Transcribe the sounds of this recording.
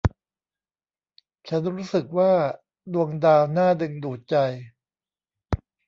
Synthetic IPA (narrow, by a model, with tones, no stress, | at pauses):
t͡ɕʰa˦˥nɾuː˦˥sɯ˨˩k̚waː˥˩ | du˧əŋdaː˧wnaː˥˩dɯ˧ŋduː˨˩t̪̚t͡ɕa˧j